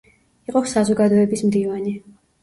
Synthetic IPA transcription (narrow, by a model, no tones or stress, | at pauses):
iqʼɔsazɔɡad̪ɔɛbismd̪ivani